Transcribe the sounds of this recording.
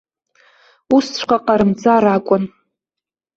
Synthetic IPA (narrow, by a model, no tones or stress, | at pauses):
ust͡ɕʷʰqʷaqʼaɾɨmt͡sʼaɾakʷʼʊn